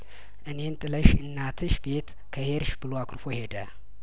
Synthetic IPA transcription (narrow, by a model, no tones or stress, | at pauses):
ʔɨne̞nt̪ʼɨləʃɨnːat̪ʰɨʃbe̞t̪ | kʰəheɾʃbɨloakʰʼɨɾfohe̞d̪ə